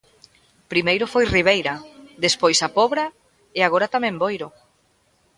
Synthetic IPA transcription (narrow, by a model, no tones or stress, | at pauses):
pɾimejɾʊfojriβ̞ejɾɐðespojsapɔβɾɐ | eaɣ̞oɾat̪amɛ̃mbojɾʊ